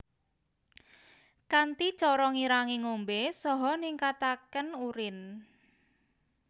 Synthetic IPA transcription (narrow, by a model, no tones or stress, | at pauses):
kant̪i̥t͡ʃɔɾɔŋiɾaŋiŋombesɔɦɔniŋkat̪akənuɾɪn